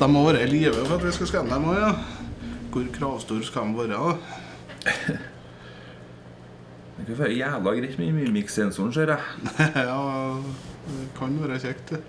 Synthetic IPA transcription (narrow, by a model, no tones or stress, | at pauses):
d̪ɛmɔʋɑːɾəliːʋəfɔɾɑt̪ʋɪskɑskɛnəd̪ɛmoːjɑ | kʰʊɾkʰɾɑːʋst̪uːɾskɑɛmʋɑːɾəɑd̪ɛ | ɛkʰɑfœljæːʋlɑɡɾɪtmymyːmɪksɛnsʊɳʂøːɾɛjɑ | ɛkʰɑnʋæːɾəçɛkt̪